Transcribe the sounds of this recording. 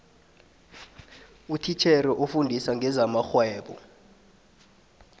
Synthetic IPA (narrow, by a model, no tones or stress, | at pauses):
utʰit͡ʃʰɛrɛʔufundʱisaŋʱɛzamaxwɛːɓɔ̰